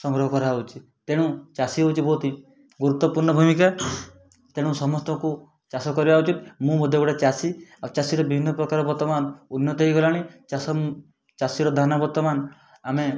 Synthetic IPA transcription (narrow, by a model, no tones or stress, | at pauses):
sɔŋɡɾɔɦɔkɔɾaut͡ʃʰi | t̪eɽ̃ũt͡ʃasiɦowt͡ʃibot̪i | ɡuɾut̪ːɔpuɾɳɔbʱumika | t̪eɽ̃ũsɔmɔst̪ɔku | t͡ʃasɔkɔɾibaut͡ʃit̪mũmɔd̪ʱeɡɔɽet͡ʃasiat͡ʃasiɾɔbibʱinːɔpɾɔkaɾɔbɔɾt̪ɔmanunjɔt̪eiɡɔlaɽ̃it͡ʃas | t͡ʃasiɾɔd̪ʱanabɔɾt̪ːɔman | ame